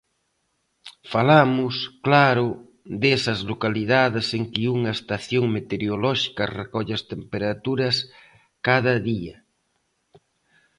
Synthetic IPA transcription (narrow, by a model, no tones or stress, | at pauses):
falamʊsklaɾʊ | ðesɐzlokaliðaðeseŋkiuŋɐest̪aθjoŋmet̪eɾjolɔʃi̥kɐrekɔʎast̪empeɾat̪uɾɐs | kaðɐðiɐ